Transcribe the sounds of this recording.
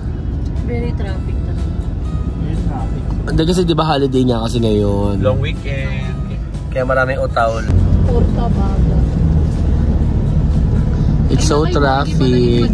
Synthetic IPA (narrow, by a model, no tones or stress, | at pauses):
vɛɾɪt̪ɾaːfɪk̚nɐ | ɛit̪ɾafɪkʔnd̪ɐkɐs̬ɛd̪ɪbaɦaːlɪd̪ejɲakɐsɛŋɐjonloŋwikɛ | d̪̚ | kɐjamɐɾaːmɪŋʔʊt̪awlpuɾkɐbaɡa | ʔɪt̪sːowt̪ɾaːfɪk̚